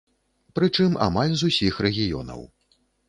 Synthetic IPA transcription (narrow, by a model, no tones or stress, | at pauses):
pɾɨt͡ʂɨma̰malʲzusʲixɾɛɣʲijɔ̰nɐ̰w